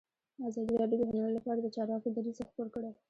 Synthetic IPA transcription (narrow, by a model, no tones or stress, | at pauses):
azɑd̪iɾɑɖjod̪əɣanalolapɑɾad̪ət͡ʃɑɾwɑkod̪aɾizaxpoɾkəɽe